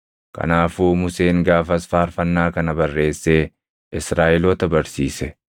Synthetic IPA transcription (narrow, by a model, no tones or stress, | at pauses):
kɐ̰naːfuːmʊse̞ːŋɡaːfɐsfaːɾfɐnːaːkɐnɐbɐrːe̞ːsːe̞ː | ʔɪsɾaːʔɪlɔːt̪ɐbɐɾsiːsɛ